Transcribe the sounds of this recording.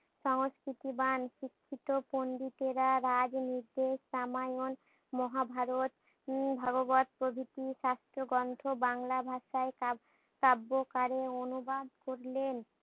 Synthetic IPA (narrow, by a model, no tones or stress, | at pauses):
ʃɔŋskɾit̪ibanʃikʰːit̪oponɖ̪it̪eɾaɾad͡ʑniɾd̪eʃamajon | mɔɦabʱaɾot̪ | bʱaɡobat̪̚pɾobʱit̪iʃast̪ɾoɡɔnt̪ʰobaŋlabʱaʃae | kabːokaɾeonubad̪koɾlen